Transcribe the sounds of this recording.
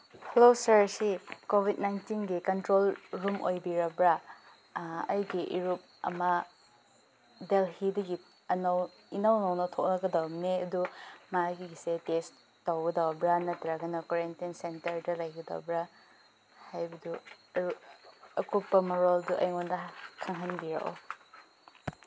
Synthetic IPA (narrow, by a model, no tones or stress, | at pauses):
hulosɐɾsikobʱit̚najntinɡikɐntɾolɾumʔojbiɾɐbɾa | ɐjɡiʔiɾup̚ɐ̰mɐ | delɦidɐɡi | ɐnɐw | inɐwnɐwnɐtʰok̚nɐɡɐdawneɐdumaɡiɡisetes | towɡɐdawbɾanɐtɾaɡɐnɐkoɾentiinsentɐɾdɐlɐjɡɐda̰wbɾa | hajbɐduɐɾuɐkupːɐmɐɾolduʔɐ̰jŋondɐkʰaŋɦanbiɾɐ̰ʔo̰